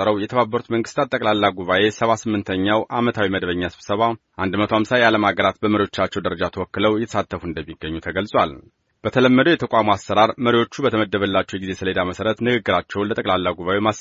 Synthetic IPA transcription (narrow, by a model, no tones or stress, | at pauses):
əɾəwjɛt̪ʰəβabːəɾut̪məŋɡɨst̪ʰat̪ʼːəkʼlalːaɡuβaʔe̞səβasɨmːɨnt̪ʰəɲːawʔamət̪ʰawiməd̪βəɲːasɨβ̥səβaʔand̪mət̪ʰohamsajaləmaɡəɾat̪̚bəməɾiwo̞t͡ʃːat͡ʃːɛwd̪əɾəd͡ʒat̪ʰəwɔkːɨləwjɛt̪ʰə̥sat̪ʰːəfuɨnd̪əmːiɡːəɲːut̪ʰəɡəlsʼwal | b̥ət̪ʰələmːəd̪əwjɛt̪ʰəkʷʼamoasːəɾaɾməɾiwo̞t͡ʃːubət̪ʰəməd̪ːəβəlːat͡ʃːɛwjɡizesɨled̪aməsəɾət̪nɨɡɨɡːɨɾat͡ʃːɛwnlət̪ʼəkʼlalːaɡuβaʔema